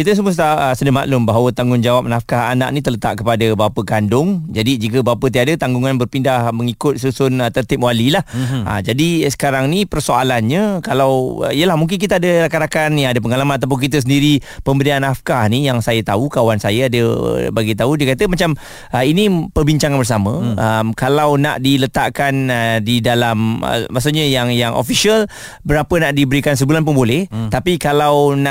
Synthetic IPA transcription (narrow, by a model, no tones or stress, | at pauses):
kit̪əs̬əmust̪aəsədəma̰ʔlʊmbaɦawət̪aŋɡʊŋd͡ʒawap̚nafkaɦa̰na̰ʔ̚nit̪ələt̪a̰ʔkəpadəbapəkandʊŋd͡ʒadid͡ʒikəbapət̪̬iadət̪aŋɡuŋanbərpindahməŋikʊt̪̚susʊnət̪ərt̪ɪp̚walilahə̰d͡ʒadisə̥kaɾaŋnipərsoalanɲə̃kalaw̰ijəlahmuŋk̬ɪnk̬it̪əadəɾakaɾakanjaŋadəp̬əŋalamãnat̪̬awp̬ʊnk̬it̪əs̬əndiɾipəmbədianafkanijaŋsajət̪aukawansajəadə̰baɡit̪audiəkat̪əmat͡ʃam | əinĩpərbiɲt͡ʃaŋanbərs̬amə̃əmkalawna̰ʔdilət̪aʔkanədidalamə̰mas̬uʔɲəjaŋjaŋʔo̰fiʃiəl | bəɾapənaʔdibəɾikans̬əbulanp̬ʊnbolɛht̪apikalawna